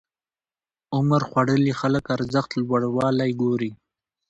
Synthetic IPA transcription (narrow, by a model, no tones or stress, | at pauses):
ʊməɾxwaɽəlixaləkaɾzəxt̪lwaɽwɑlajɡoɾi